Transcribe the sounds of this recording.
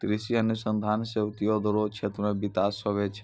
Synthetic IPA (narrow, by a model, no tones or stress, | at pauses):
t̪ɾisiənːusə̃nd̪ʱansebt̪ijod̪ʱɔɾot͡ʃʰet̪ɾmebit̪asəbet͡ʃʰe̥